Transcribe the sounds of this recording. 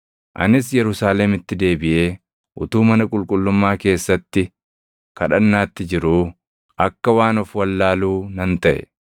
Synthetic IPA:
ʔɐ̰nɪs̬jɛɾʊsaːlɛmɪt̪ːɪd̪e̞ːbɪʔe̞ː | ʔʊt̪uːmɐnɐkʼʊlkʼʊlːʊmːaːke̞ːsːɐt̪ːɪ | kɐᶑɐnːaːt̪ːɪd͡ʒɪɾuː | ʔɐkːɐwaːnɔfwɐlːaːluːnɐnt̪ɐʔɛ̰

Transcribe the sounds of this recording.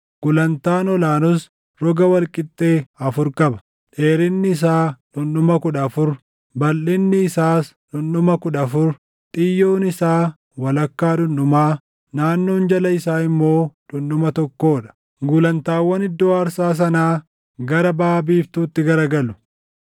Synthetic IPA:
ɡ̥ʊlɐnt̪aːnɔlaːnʊs | ɾɔɡɐwɐlkʼɪt̪ʼːe̞ːɐfʊɾkʼɐbɐ̥ | ᶑe̞ːɾɪnːɪːs̬aːᶑʊnɗʊmɐkʊᶑɐːfʊɾ | bɐlːɪnːɪːsaːs | ᶑʊnʊmɐkʊᶑɐːfʊɾ | t̪ʼɪjːo̞ːnɪsaː | wɐlɐkːaːᶑʊnːʊmaː | naːnːoːnd͡ʒɐlɐɪsaːɪmːo̞ːᶑʊnːʊmɐt̪ɔkːo̞ːᶑɐ̥ | ɡʊlɐnt̪aːwːɐnɪd̪ːoːɐɾsaːs̬ɐnaː | ɡɐɾɐbaːbiːft̪uːt̪ːɪɡɐɾɐɡɐlʊ

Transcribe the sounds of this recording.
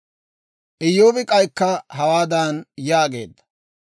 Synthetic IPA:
ʔɪjoːʋɪkʼɐjkːɐɦɐwaːd̪ɐnjaːɡe̞̰ːd̪ːɐ̥

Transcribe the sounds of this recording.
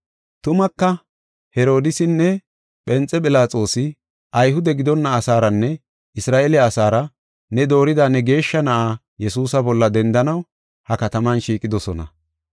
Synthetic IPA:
t̪ʊmɐkːɐ | hɛɾo̞ːd̪ɪsɪnːɛ | pʼɛnt͡sʼːɛpʼɪlaːt͡sʼo̞ːsɪ | ʔɐjɦʊd̪ɛɡɪd̪ɔnːɐːsaːɾɐnːɛ | ʔɪsɾaːʔelɛɐsaːɾɐ | nɛd̪o̞ːɾɪd̪anɛɡe̞ːʃːɐnɐʔaː | jɛsuːsɐbɔlːɐd̪ɛnd̪ɐnɐw | hɐkɐt̪ɐmɐnʃiːkʼɪd̪ɔsɔnɐ̰

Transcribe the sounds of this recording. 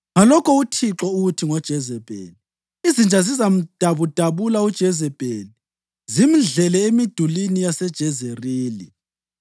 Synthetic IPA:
ŋalɔkʰɔutʰiǁɔuɣutʰiŋɔd̥ʒ̥ʱɛzɛb̥ʱḛːli | izind͡ʒʱazizam̩d̥ʱaβud̥ʱaβulaud̥ʒ̥ʱɛzɛb̥ʱeːli | zim̩ɮɛlɛemid̥ʱulinijasɛd̥ʒ̥ʱɛzeriːlḭ

